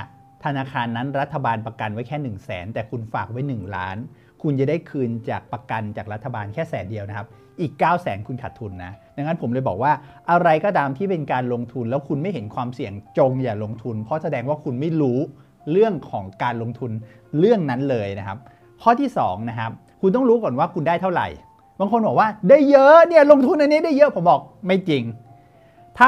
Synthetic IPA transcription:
t̪ʰa˧naː˧kʰaː˧nːa˦˥nɾa˦˥t̪ʰːa˧baː˧npɾa˧ka˧nwa˦˥jkʰɛː˥˩nɯ˨˩ŋsɛ̰ː˩˦nt̪ɛː˨˩kʰu˧nfaː˨˩k̚wa˦˥jnɯ˨˩ŋla̰ː˦˥n | kʰu˧nja˨˩da˥˩jkʰɯː˧nt͡ɕaː˨˩k̚pa˧ka˧nt͡ɕaː˨˩k̚ɾa˦˥t̪ʰːa˧baː˧nkʰɛː˥˩sɛ̰ː˩˦ndi˧əwna˦kʰa˦˥p̚ | ʔiː˨˩kːaː˥˩wsɛː˩˦nkʰu˧nkʰa˨˩t̪ʰːu˧nːa˦˥da˧ŋːa˦˥npʰo˩˦mlɤː˧jbɔː˨˩k̚waː˥˩ʔa˧ɾa˧jkɔː˥˩t̪aː˧mt̪ʰiː˥˩pe˧nkaː˧nlo˧ŋt̪ʰu˧nlɛː˦˥wkʰu˧nma˥˩jɦe˩˦nkʰwaː˧msi˨˩əŋt͡ɕo˧ŋjaː˨˩lo˧ŋt̪ʰu˧npʰɔ˦˥sa˧dɛː˧ŋwaː˥˩kʰu˧nma˥˩jɾuː˦˥ | ɾɯ˥˩əŋkʰɔː˩˦ŋkaː˧nlo˧ŋt̪ʰu˧n | ɾɯ˥˩əŋna˦˥nlɤː˧jna˦˥kʰa˦˥p̚ | kʰɔː˥˩iː˥˩sɔ̰ː˩˦ŋna˦˥kʰa˦˥p̚ | kʰu˧nt̪̬ɔ˥˩ŋɾuː˦˥kɔː˨˩nwaː˥˩kʰu˧ndaː˥˩jt̪ʰa˥˩wɾa̰˨˩j | baː˧ŋkʰo˧nbɔː˨˩kwaː˥˩daː˥˩jːɤ˦˥ʔni˥˩ɐlo˧ŋt̪ʰu˧nʔa˧nːi˦˥˨daː˥˩jɤ˦˥ʔpʰo˩˦mbɔː˨˩k̚ma˥˩jt͡ɕi˧ŋ | t̪ʰaː˥˩

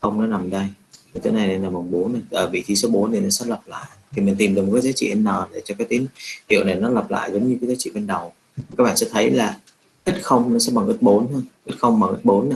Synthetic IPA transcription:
xə˧wŋ͡mnɔ˨˦na˨˩mɗə˧ji˨˩t̪ə̰˨˦na˨˩jna˨˧˩naː˨˩ɓa˨˩wŋ͡mɓo˨˦na˨˩ʔəː˨˩vḭ˧˨t̪ʰi˧so˨˦ɓo˨˦nt̪ʰi˨˩nɔ˨˦sɛ̰˧˥lə˨˩p̚la̰ː˧˨jt̪ʰi˨˩mi˨˩ŋt̪i˨˩mɗɨ˨˩m̚˨˩kːjzaː˨˦t͡ɕḭ˧˨ʔə˧nːəː˨˩ɗe˨˩t͡ɕɔ˧kaː˨˦jt̪i˨˦ŋhḭ˧˨ə˨wna˨˩jnɔ˨˦lə˨˩p̚la̰ː˧˨jzə˨˦ŋ͡mɲɨ˧kaː˨˦zaː˨˦t͡ɕḭ˧˨va˧nɗə˨˩w | ka˦˥k̚ɓa̰ː˧˨sɛ̰˧˥t̪ʰə˨˦jlaː˨˩ | ʔə˦˥t̚xə˧wŋ͡mnɔ˨˦sɛ̰˧˥ɓa˨˩ŋʔə˦˥t̚ɓo˨˦nhə˧jʔə˦˥t̚xə˧wŋ͡mɓa˨˩ŋʔə˦˥t̚ɓo˨˦nːa˨˩

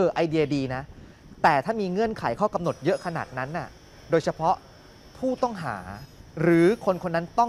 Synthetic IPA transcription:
ʔɤː˧˩ʔa˧jdi˧ɐdiː˧na˦˥ | t̪ɛː˨˩t̪ʰaː˥˩miː˧ŋɯ˧˩ənkʰa˩˦jkʰɔː˥˩ka˧mno˨˩t̪̚jɤ˦˥ʔkʰa˧naː˨˩t̪̚na˦˥nːa˥˩ | doː˧jt͡ɕʰa˧pʰɔ˦˥ʔ | pʰuː˥˩t̪ɔ˥˩ŋɦa̰ː˩˦ɾɯː˩˦kʰo˧nkʰo˧nːa˦˥nt̪ɔ˥˩

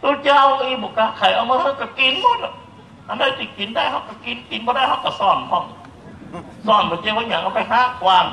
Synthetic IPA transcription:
duː˧˦t͡ɕaː˧˨wʔɯː˧˦bɔː˨˩˦kaː˧˦kʰa˨˩˦jʔa˧wmaː˧ha˧˥˩wka˧˩ki˧nmɔ˧˦t̚lɔ˧˩ | ʔa˧ndaː˧˩si˧˩ki˨ndaː˧˩˨jha˧˥˩wka˧˩ki˧˦nki˨˦nbɔ˧ɾaː˧˥˨jha˧wka˧˩sɔː˧˩nkʰɔ˧˩˨m | sɔː˧˩nbɔ˨˦t͡ɕeː˧waː˧˩ɲa˨˦ŋʔa˧˩pa˧˨jɦaː˧˩˨kwaː˧n

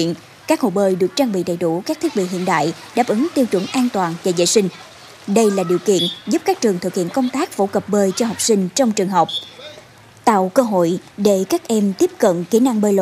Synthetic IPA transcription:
i˧˨ən | kaː˦˥k̚ho̰˧˨ɓəː˧˩jɗɨ˨˩ək̚t͡ɕaː˧ŋɓḭ˧˨ɗə˨˩jɗu˧˩kaː˦˥kt̪ʰi˦˥k̚ɓḭ˧˨ɦḭ˧˨ənɗa̰ː˧˨j | ɗaː˨˩p̚ʔɨ˨˦ŋt̪i˧wt͡ɕə̰˨˧˩ŋʔaː˧nt̪waː˨˩nvaː˨˩zə̰ː˧˨jsï˧ŋ̟ | ɗə˧jlaː˨˩ɗi˨˩əwkḭ˧˨ənzu˦˥p̚kaː˦˥k̚t͡ɕɨ˨˩əŋt̪ʰɨ˨˩k̚hḭ˧˨ənkə˧wŋ͡mt̪aː˦˥k̚fo˧˦kə˨˩p̚ɓəː˧jt͡ɕɔ˧ɦɔ˨˩wk͡p̚sï˧ŋ̟t͡ɕɔ˧wŋ͡mt͡ɕɨ˨˩əŋɦə˨˩wk͡p̚ | t̪a̰ː˧˨wkəː˧ɦo̰˧˨jɗe˧˩kaː˦˥k̚ʔɛ˧mt̪i˦˥əp̚kə̰˧˨nki˧˦na˧ŋɓəː˧jlo̰˧˨

